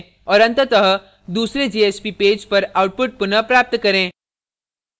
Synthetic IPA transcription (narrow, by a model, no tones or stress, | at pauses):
ɔːɾɐ̃nt̪ət̪əɦə | d̪uːsɾed͡ʒeːeːspipeːd͡ʒpɐɾaːʊʈ̚pʊʈ̚pʊnəpɾaːp̚t̪kɐɾẽː